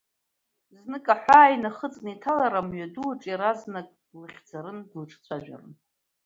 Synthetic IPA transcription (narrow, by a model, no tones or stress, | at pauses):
znɨkʼaħʷaːinaχət͡sʼnitʰalaɾamɥaduʈ͡ʂʼiɾaznakʼ | lɨχʲd͡zaɾɨndlʈ͡ʂʰʼt͡sʷʰaʒᶣa̰rɨ̰n